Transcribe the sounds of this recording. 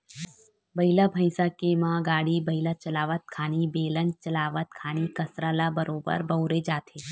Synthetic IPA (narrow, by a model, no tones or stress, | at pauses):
bɐilabʱə̃ɪsakemãɡaːɽibəɦilat͡ʃəlaːʋət̪̚kʰaːnibeːlənt͡ʃəlaːʋət̪̚kʰaːnikɐsɾalabəɾoːbə̰ɾbɐɦɾed͡ʒaːt̪ʰe